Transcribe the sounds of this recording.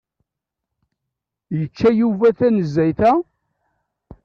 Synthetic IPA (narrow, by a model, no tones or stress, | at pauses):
jət͡ʃːæjuvæθænəzːæjθæ